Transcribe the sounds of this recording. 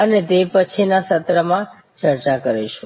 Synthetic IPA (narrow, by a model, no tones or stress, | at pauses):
ənet̪epət͡ʃʰinasət̪ɾəmã | t͡ʃəɾt͡ʃakəɾeʃu